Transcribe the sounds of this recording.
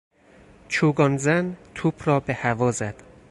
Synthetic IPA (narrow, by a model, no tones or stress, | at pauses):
t͡ʃʰuːɡɒːnzænt̪ʰuːpʰrɒːbehævɒːzæd̪̥